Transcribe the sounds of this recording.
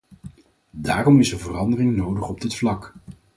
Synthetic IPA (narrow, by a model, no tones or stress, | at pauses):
daːrɔmɪsəvərɑndərɪŋnowdəχɔb̚dɪtflɑk